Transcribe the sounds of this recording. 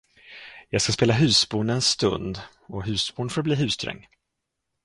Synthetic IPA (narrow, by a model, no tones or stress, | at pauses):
jɑːɡskaspeːlaɦʉ̟ːsbuːɳɛnst̪ɵnd̪ | ɔɦʉ̟ːsbuːɳfoːɾbliːɦʉ̟ːst̪ʰɾɛ̰ŋː